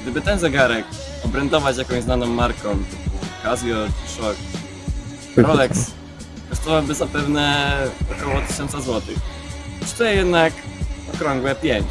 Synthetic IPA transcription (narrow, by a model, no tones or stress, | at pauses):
ɡd̪ɘbɘt̪ɛnzɛɡaɾɛk | ɔbɾɛnd̪ɔvat͡ɕjakɔ̃w̃znanɔ̃mːaɾkɔ̃mt̪ɘpukazʲjɔ̥ʂɔk | ɾɔlɛks | kɔst̪ɔvawbɘzapɛvnɛɔkɔwɔt̪ɘ̥ɕɔnt̪sazwɔt̪ɘx | st̪ujɛjɛd̪nakɔ̰kɾɔŋɡwɛpʲjɛɲ